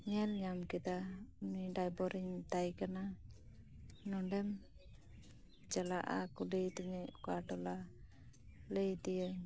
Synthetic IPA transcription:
ɲɛlɲamkɛd̪auniɖajbɔɾiɲt̪ajkana | nɔɖɛm | d͡ʒalaʔa̰kuləjt̪iɲɛukaʈɔla | ləjt̪ijə

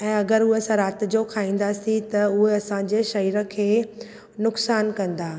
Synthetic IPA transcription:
ɛ̃ːɐɡəɾʊɦesãɾaːt̪̆d͡ʑokʰaːĩːn̆d̪aːsit̪ɐʊɦeɐsãɲd͡ʑeːʃɐɾiːɾə̆kʰeː | nʊksaːnkɐ̃nd̪aː

